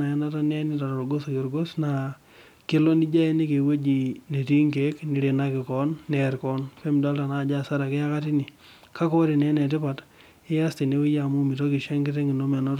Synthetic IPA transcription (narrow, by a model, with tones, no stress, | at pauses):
a˨ɛ˦na˦ta˦nɛ˦nɪ˦ta˨ɾo˨ɾɡo˦so˨kɪ˨ɾɡo˦sna˨ | ke˦lo˦ni˦d͡ʒa˦e˦ni˦ke˨we˦d͡ʒi˨ne˨ti˦ŋke˨˦kni˨ɾe˨na˦kɪ˨kɔ˦nːɛɾkɔ˦npɛ˦mda˦lta˨na˦˨d͡ʒa˦sa˦ɾa˨ke˦a˦ka˦ti˦ni˨ | ka˦kɔ˦ɾe˨nɛ˦nɛ˨tɪ˦pa˨t | ɪ˦ja˦ste˨ne˦we˦ja˨mu˦mi˨to˦kɪ˨ʃa˦ŋɡɪ˦te˦ŋɡɪ˨no˦mɛ˨nɔ˦t